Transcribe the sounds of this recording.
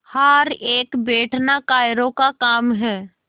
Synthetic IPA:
haːɾeːkbeːʈʰnakaːɪɾõkakaːmɦɛː

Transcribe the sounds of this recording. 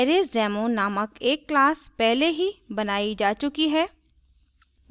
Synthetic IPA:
ɛɾeːsɖɛːmõnaːməkeːkːlaːspɛɦleɦibɐnaːid͡ʒaːt͡ʃʊkiɦɛː

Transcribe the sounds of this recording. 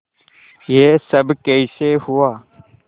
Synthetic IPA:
jeːsəbkeiseːhuaː

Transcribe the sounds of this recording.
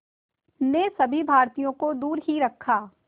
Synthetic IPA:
nesɐbʱibʱaːɾt̪ijõkod̪uːɾɦiɾɐkʰːaː

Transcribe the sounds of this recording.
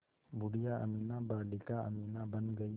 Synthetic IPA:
bʊɽijaʔɐ̰miːnabaːlɪkaɐ̰miːnabɐnɡɐi

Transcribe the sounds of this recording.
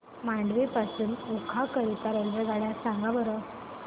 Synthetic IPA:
mãɳɖʋepasuːnukʰakəɾit̪aɾəlʋeɡʱaɭjasãŋɡaʋəɾə

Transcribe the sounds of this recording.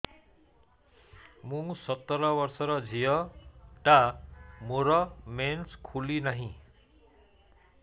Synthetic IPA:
mũsʌt̪ːʌɾʌbʌrsʌɾʌd͡zʱijʌʈamuɾʌmenskʰulinʌɦĩ

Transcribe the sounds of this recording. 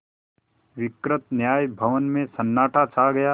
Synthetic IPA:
ʋɪkɾɪt̪̚njaːjbʱɐʋənmẽsɐnːaːʈʰat͡ʃʰaːɡɐjaː

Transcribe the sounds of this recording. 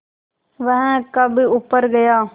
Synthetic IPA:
ʋɐ̃ɦə̃kɐbʱʊpəɾɡɐjaː

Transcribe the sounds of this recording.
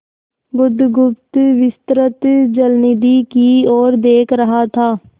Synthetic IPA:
ɡʊd̪ɡʊp̚t̪ʋɪst̪ɾət̪d͡ʒəlnid̪iːkiːoːɾd̪eːkʰɾəɦaːt̪ʰaː

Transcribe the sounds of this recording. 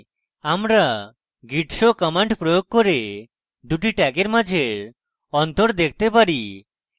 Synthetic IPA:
amɾa | ɡiʈʃokɔmaɳʈpɾojoɡ̚koɾe | d̪uʈiʈɛɡeɾmad͡ʑʱeɾ | ɔnt̪oɾd̪ekʰt̪epaɾi

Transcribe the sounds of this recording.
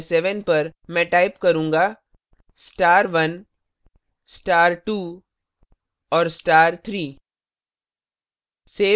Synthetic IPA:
sɛʋənpɐɾmɛ̃ːʈaːɪpkɐɾũːŋɡa | sʈaːɾʋɐn | sʈaːɾʈuː | ɔːɾsʈaːɾt̪ʰɾiː | seː

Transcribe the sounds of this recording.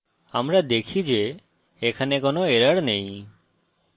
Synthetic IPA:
amɾad̪ekʰid͡ʒe | ekʰanekonoeɾəɽnej̃

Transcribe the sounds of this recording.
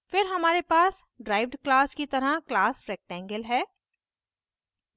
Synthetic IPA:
fɪɾɦɐmaːɾepaːs | ɖɾaːɪʋɖklaːskit̪ɐɾaklaːsfɾɛːk̚ʈɛ̃ːŋɡəlɦɛː

